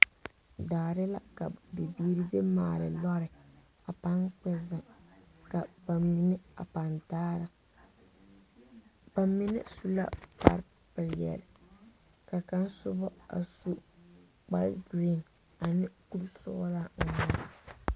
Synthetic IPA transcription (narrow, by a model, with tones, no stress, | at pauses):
daː˨ɾɪ˦la˦ka˨dɪ˨biː˦ɾɪ˦de˦maː˨lɪ̰˨lɔ˦ɾɪ˨ | a˨pa˦nk͡pɛ˦zɪ˨ | ka˨ba˨mːi˨nɪ˦a̰˨pa˨ntaː˦ɾa˨ | ba˨mi˦nɪ̰˦su˦la̰˦pa̰˨ɾ | pɪ˨ljɛ̰˨lɪ˨ | ka˨ka˦n˦sʊ˦bɔ˦a̰˨su˦ | k͡pa˦lɡɾi˦˨n | a˨nɪ˦ku˦lsʊ̰˦la˦˨ma˨˦˨